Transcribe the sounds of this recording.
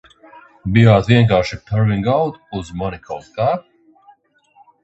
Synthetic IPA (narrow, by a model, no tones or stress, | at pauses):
bijaːt̪viɛŋk̬aːɾʃit̪ʰaɾviŋɡawt̪uzmanikʰawt̪kaːp̚